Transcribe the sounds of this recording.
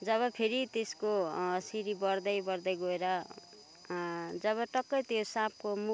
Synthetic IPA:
d͡zʌβʌpʰeɾit̪eskosiɾibʌɾd̪ʌjbʌrd̪ʌjɡoeɾʌ | d͡zʌβʌʈʌkːʌjt̪josãp̚komu

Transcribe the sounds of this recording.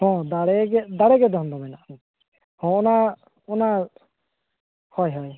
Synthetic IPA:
hɔ̃d̪aɽɛɡɛd̪aɽɛɡɛd̪ɔɦɔnd̪ɔmɛnaʔn | hɔ̃ɔna | ɔna | hɔjɦɔj

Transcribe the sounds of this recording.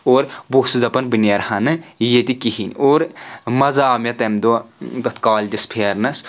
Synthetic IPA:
oːɾboːsɨzɐpɐnbɨneɾhɐnɨjet̪ikiɦinoːɾmɐzaːmɐt̪ɐmd̪od̪ɐt̪ʰkaːlʲd͡ʒispʰeːɾnɐs

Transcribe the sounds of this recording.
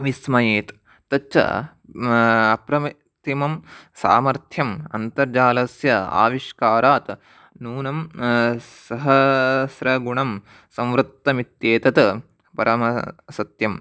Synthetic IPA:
ʋismɐjeːt̪ | t̪ɐt͡ʃɐ̰ | ɐpɾɐm | t̪imɐmsa̰ːmɐɾt̪ʰjɐmɐnt̪ɐɾd͡ʒaːlɐsjɐa̰ːʋiʃkaːɾaːt̪ | nuːnɐm | sɐɦɐsɾɐɡuɳɐm | sɐ̃mʋɾut̪ːɐmit̪jeːt̪ɐt̪ | pɐɾʔɐmɐsɐt̪jɐm

